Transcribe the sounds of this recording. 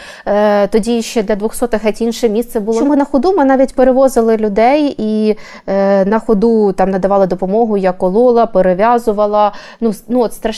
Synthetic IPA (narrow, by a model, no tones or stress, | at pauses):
t̪ɔdʲiʃt͡ʃɛd̪lʲɐd̪ʋɔxsɔt̪ɪxɛtʲinʃɪmʲist̪sɛbʊlˠɔmʊnɐxɔd̪umɪnɑʋʲitʲpeɾeʋɔzɪlˠɪlʲʊd̪ɛji | nɐxɔd̪ut̪ɑmnɐd̪ɐʋɑlˠɐd̪ɔpɔmɔɦʊjɐkːɔlˠɔlˠɐpeɾɪʋʲjɑzʊʋɐlˠɐ | nunuɔt̪st̪ɾɐ